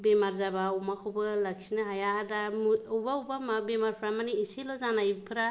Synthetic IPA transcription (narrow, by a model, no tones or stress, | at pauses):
bemaɾzabaumakʰobɯlakʰi̥sinɯɦajaːdamuubaubamabemaɾpʰɾamaniːsilɔzanajpʰɯɾa